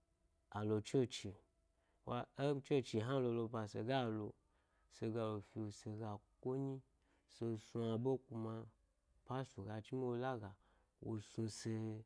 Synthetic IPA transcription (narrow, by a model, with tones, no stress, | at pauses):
a˨lo˧t͡ʃo˦t͡ʃi˨ | wa˧e˦t͡ʃe˦t͡ʃi˧˨ɦã˦lo˧lo˧pa˧sḛ˧ɡa˦˨lo˧ | se˧ɡa˧lo˨fi˧wo˨se˧ɡa˨kʷo˦ɲi˦ | se˧˨su˧a˧bo˦kʷu˧ma˧ | pa˦su˨ɡa˧t͡ʃi˦mi˦wo˧la˦ɡa˨ | wo˧sũ˧se˧